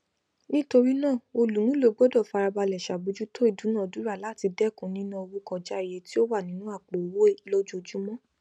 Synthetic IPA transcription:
nĩ˦to˧ɾi˦nãː˦˨o˧lu˨˦ũ˦lo˦ɡ͡bɔ˦dɔ˦˨fa˧ɾa˧ba˧lɛ˨ʃa˨bu˧˦d͡ʒu˦to˦i˦˨du˨˦nã˦ɔ˨du˨˦ɾa˦˨la˨˦˨ti˧dɛ˦˨kũ˨nĩ˦nã˦o˧wu˦kɔ̃˧d͡ʒa˦i˨je˨˧ti˦o˦wa˦˨nĩ˨˦nũ˦a˦˨k͡po˨wo˨˦e˦lo˦d͡ʒo˧d͡ʒu˦mɔ̃˦

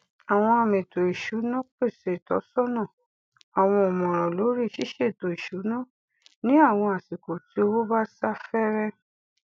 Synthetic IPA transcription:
a˨w̃ɔ̃˧a˨mẽ˨to˨i˨ʃu˨˦nɔ̃˦k͡pe˦˨se˨tɔ̰˨˦sɔ˦nã˦˨ | a˨w̃ɔ̃˧ɔ˨mɔ̃˨ɾ̃ɔ̃˨lo˨˦ɾi˦˨ʃi˦ʃe˦˨to˨i˨ʃu˨˦nã˦ | nĩ˦a˦˨w̃ɔ̃˧a˨si˨ko˨ti˨˦o˧wo˦ba˦sa˦fɛ˦ɾɛ˦

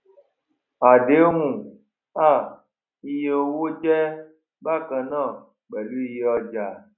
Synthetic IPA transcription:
a˨de˨˦ŋũ˨ | a˦˨ | i˧je˦o˧wo˦t͡ʃɛ˦ | ba˦˨kã˨nã˦˨ | ɡ͡bɛ˨lu˦i˧je˨˦ɔ˧d͡ʒa˨

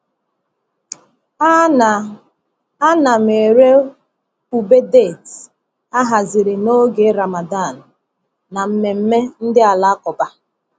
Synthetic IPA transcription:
a˦na˨me˨ɾe˦ | u˨be˦de˦˨t | a˦ɦa˨zɪ˨ɾɪ˨no˦ɡe˨˦ɾa˨ma˨da˦˨n̩˨ | na˨m̩˨me˨m̩˦me˦n̩˦dɪ˦a˨la˦kɔ˨ba˦

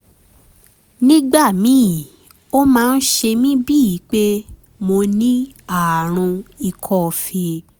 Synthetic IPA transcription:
nĩ˦ɡ͡ba˦˨mĩ˨˦˨ | o˦mãː˦˧n̩˦ʃe˧mĩ˦bi˦i˨˦k͡pe˦ | mo˧nĩ˦a˦˨ɾ̃ũ˧i˧kʰɔ˦˧˨fe˧

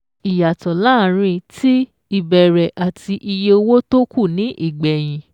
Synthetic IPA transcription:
i˨ja˨tɔ˨la˦˨˦ɾ̃ĩ˧tʰi˦ | i˨bɛ˨ɾɛ˨ʔa˨tʰi˧ʔi˧je˧o˧wo˦to˦ku˦˨nĩ˨˦ʔi˦˨ɡ͡bɛ˨j̃ĩ˨

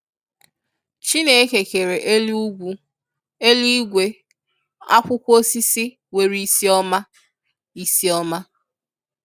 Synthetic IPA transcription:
t͡ʃi˦ne˨˦ke˨ke˨ɾe˨ʔe˦lu˦ɡʷu˦ | e˦li˦ɡʷe˨ | a̰˦kʷʊ˦kʷo˦si˦si˦ | we˨ɾi˦si˦ɔ˦ma˦ | i˦si˦ɔ˦ma˦

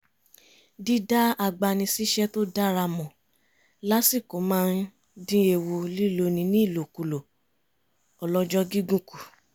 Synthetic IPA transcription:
di˦da˦a˧ɡ͡ba˧nĩ˧si˦ʃɛ˦to˦da˦ɾa˧mɔ̃˨ | la˦si˦˨ko˨˦mãː˦n˦ | dĩ˦e˧˨wo˧li˦˨lo˧nĩ˧nĩ˦˨lo˨ku˨lo˨ | ɔ˨lɔ˦d͡ʒɔ˦ɡi˦ɡũ˦ku˨

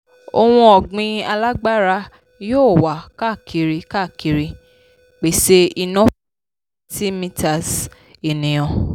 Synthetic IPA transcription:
o̰˧w̃ũ˧ɔ˨ɡ͡bĩ˧a˧la˦ɡ͡ba˦ɾa˧ | joː˦˨wa˨ka˦˨kʰi˨˧ɾi˧ka˦˨ki˧ɾi˧ | k͡pe˨se˧i˧nɔ̃˦ | ti˦mĩ˧ta˨s | e˨nĩ˨j̃ɔ̃˨

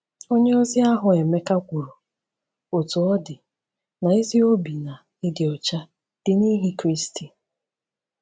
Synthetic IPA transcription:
o˦ɲe˦ɔ˦zɪ˦a˦ɦʊ˨e˨me˦ka˦kʷu˨ɾo˨ | o˨tu˨ɔ˦dɪ˨ | na˨i˦zi˦o˦bi˨na˨ | ɪ˦dɪ˨ɔ˨t͡ʃa˦ | d̥ɪ˦ni˦ɦi˦kɾi˦sti˨

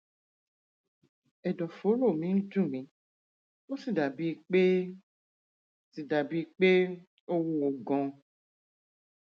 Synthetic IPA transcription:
ɛ˨dɔ˨fo˨˦lo˦˨mĩ˨˦n̩˦tũ˦˨mĩ˨˦ | wo˦si˦˨da˨bi˦˨k͡pe˦ | si˨da˨bi˦k͡pe˦ | o˦wu˦wo˨ɡɔ̃˨

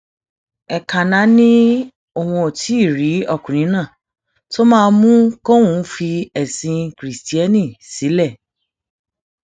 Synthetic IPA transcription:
ɛ˨ka˨nã˨˦nĩ˦ | o˦˨w̃ɔ̃˧o˨tʰi˨˦i˦˨ɾi˨˦ɔ˦˨kũ˨ñĩ˨˦nãː˦˨ | to˦mãː˦˧mũ˦ko˦wũ˧˦fi˧ɛ˨sĩ˧kɾi˨sti˦ɛ˦nĩ˦˨si˨˦lɛ˦˨

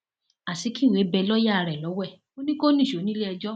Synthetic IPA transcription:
a˨si˨˦ki˦˨we˨˦bɛ˧lɔ˦ja˦˨ɾɛ˨lɔ˨˦wɛ˦˨ | o˦nĩ˦ko˦nĩ˦˨ʃo˨˦nĩ˦le˦ɛ˧d͡ʒɔ˦

